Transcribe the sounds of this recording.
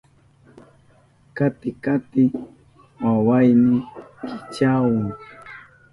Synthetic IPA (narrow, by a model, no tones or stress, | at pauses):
kat̪ɪkat̪ɪ | wawajnɪkɪt͡ʃawʊŋ